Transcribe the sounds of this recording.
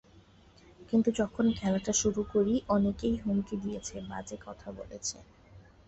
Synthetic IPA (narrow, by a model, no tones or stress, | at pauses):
kint̪ud͡ʑɔkʰonkʰɛlaʈaʃuɾukoɾiʔɔnekejɦuŋkid̪ijet͡ɕʰeba̰d͡ʑekɔt̪ʰabo̰let͡ɕʰḛ